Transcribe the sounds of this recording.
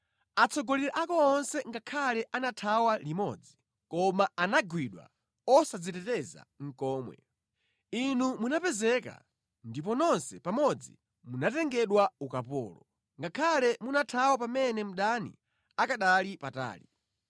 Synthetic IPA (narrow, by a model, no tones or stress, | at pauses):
at͡sʰɔɡɔliɾaʔakɔːnsɛŋɡakʰalɛʔanatʰawalimɔ̰d͡zi | kɔmaanaɡwiɗwa̰ | ɔsad͡zitɛtɛza̰ŋ̩kɔːmwɛ̰ | inumunapɛzɛka̰ | ndip̬ɔnɔnsɛpamɔd͡zḭ | munatɛŋɡɛɗwaukapɔ̰ːlɔ | ŋɡakʰalɛmunatʰawapamɛnɛm̩ɗanḭ | akaɗalipata̰ːli